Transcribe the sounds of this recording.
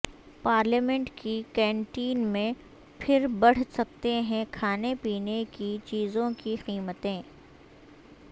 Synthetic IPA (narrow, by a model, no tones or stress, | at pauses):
paːɾlemɛ̃ɳʈkikɛ̃ːɳʈiːnmẽ | pʰɪɾbɐɽ̤sɐk̚t̪eɦɛ̃kʰaːnepiːnekit͡ʃiːzõkiqiːmət̪ẽː